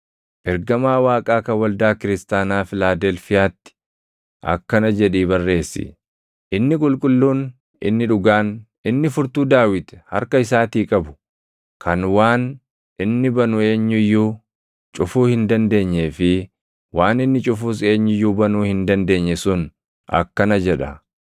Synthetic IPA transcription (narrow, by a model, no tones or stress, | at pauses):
ʔɛɾɡɐmaːwaːkʼaːkɐwɐld̪aːkɪɾɪst̪aːnaːfɪlaːd̪ɛlfɪjaːt̪ːɪ̥ | ʔɐ̰kːɐnɐd͡ʒɛᶑiːbɐrːe̞ːsːɪ̰ | ʔɪnːɪkʼʊlkʼʊlːuːn | ɪ̰nːɪᶑʊɡaːn | ɪnːɪfʊɾt̪uːd̪aːwɪt̪ɛ̥hɐ̰ɾkɐɪsaːt̪iːkʼɐbʊ̥ | kʰɐnwaːn | ʔɪnːɪbɐnʊe̞ːɲːʊjːuː | t͡ʃʼʊfuːhɪnd̪ɐnd̪e̞ːɲːeːfɪ | waːnɪnːɪt͡ʃʼʊfuːs̬e̞ːɲːʊjːuːbɐnuːhɪnd̪ɐnd̪e̞ːɲːɛsʊn | ɐ̰kːɐnɐd͡ʒɛᶑɐ